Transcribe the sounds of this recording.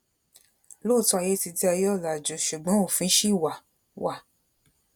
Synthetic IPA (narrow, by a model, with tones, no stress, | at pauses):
lo˦˨tɔ˦a˧je˦ti˧ti˦a˧jɔ˦˨la˨d͡ʒo˨˧ʃu˨ɡ͡bɔ̃˨˦o˦˨fĩ˨˦ʃi˦˨wa˨ | wa˨